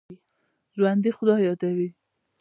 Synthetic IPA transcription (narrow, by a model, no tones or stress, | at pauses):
zwand̪ixʊd̪ɑjɑd̪awi